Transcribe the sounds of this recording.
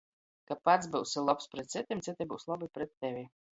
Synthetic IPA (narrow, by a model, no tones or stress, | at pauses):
kapat̪s̬bɨwsilˠɔpspɾɛt̪̚sit̪ʲimsɨt̪ʲɛbɨ̰wslˠabɨpɾɛt̪ʲːɛvʲi